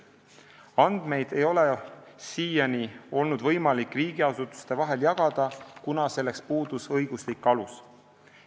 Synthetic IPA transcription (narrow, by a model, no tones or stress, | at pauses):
ɑnd̪̥me̞jd̪̥e̞jo̞le̞siːjɑnio̞lnud̪̥vɤ̞jmɑlikːˑriːɡ̥iɑsut̪ːˑu̥st̪e̞vɑɦe̞ljɑɡ̥ɑd̪̥ɑkunɑse̞lːe̞kspuːd̪̥usɤjɡ̥uslikːˑɑlus